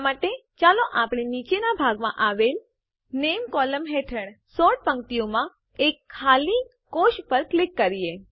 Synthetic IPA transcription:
maʈet͡ʃaloʔapɽinit͡ʃenabʱaɡmã̰ʔaʋel | nemkɔləmɦeʈʰəɽsɔʈ̚pə̃ŋ̚t̪ijomã | ekʰːali | koʃpəɾklɪkːəɾie

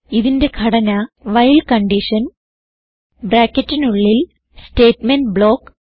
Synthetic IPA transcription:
iðinde̞ɡʰʱɐɽɐnɐʋɐjlkɐɳɖiʂɐn | bɾaːkːɐtːinuɭːil | ste̞ːtmenbɭo̞ːkː

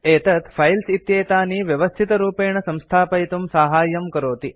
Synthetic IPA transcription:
eːt̪ət̪fʰajlsit̪jeːt̪aniʋjɐʋəst̪ʰit̪ɾuːpeːɳəsɐ̃mst̪ʰaːpɐjt̪umsaɦaːjəmkəɾoːt̪i

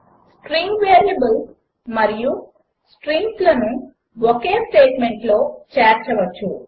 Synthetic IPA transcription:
sʈɾiŋɡʋeːɾjɐbɐl | mɐɾiju | sʈɾiŋɡslɐnu | wokeːsʈeːʈmeɳʈlo̞ːt͡ʃeːɾt͡ʃɐʋɐt͡ʃːu

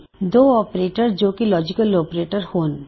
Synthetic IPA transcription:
d̪oɔpɾeʈaɾd͡ʑokilɔd͡ʑikalopɾeʈaɾhon

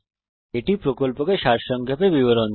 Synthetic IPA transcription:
eʈipɾokolpokeʃaɾʃɔŋkʰepebiβoɾon

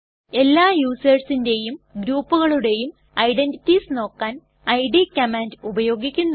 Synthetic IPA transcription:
e̞lːaːjuːsɐrsinde̞jumɡɾuːpːuɣɐɭuɽe̞jum | ɐjɖe̞nditːisno̞ːkːaːn | ɐjɖikːɐmaːndubɐjo̞ːɡikʲːunː

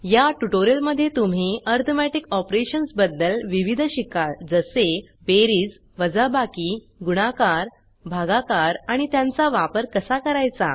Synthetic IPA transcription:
jaʈuʈoɾiəlməd̪ʱːjet̪um̤iəɾt̪ʰəmɛʈikɔpɾeɕənsbəd̪ːəlʋiʋid̪ʱɕikaɭd͡zəse | beɾiːd͡z | ʋəd͡zabakiː | ɡuɽ̃akaɾ | bʱaɡakaɾaɽ̃it̪jãnt͡saʋapəɾkəsakəɾajt͡sa̰

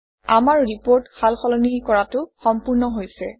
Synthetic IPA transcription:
amaɹɹipoɹtkalxɔlɔnikɔɹatʊxɔmpuɹnɔɦojsɛ̰

